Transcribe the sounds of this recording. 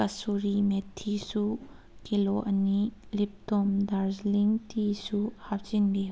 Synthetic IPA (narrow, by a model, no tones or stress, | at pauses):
ɐsuɾimetʰːisu | kiloʔɐnilip̚tomdaɾzliŋtʰisuhap̚t͡ʃinbi